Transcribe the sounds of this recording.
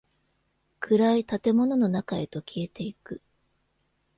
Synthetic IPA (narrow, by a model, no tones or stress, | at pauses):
kɯ̟ɾait̪at̪e̞mo̞no̞no̞nakae̞t̪o̞kʲʰie̞t̪e̞ikɯ̟